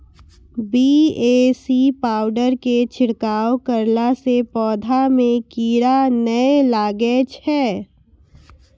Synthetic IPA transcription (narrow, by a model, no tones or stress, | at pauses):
biːeːsipaːʊɖəɾket͡ʃʰɪɽkaːwkəɾlasepɔːd̪ʱamẽkiːɾanəelaːɡet͡ʃʰɛː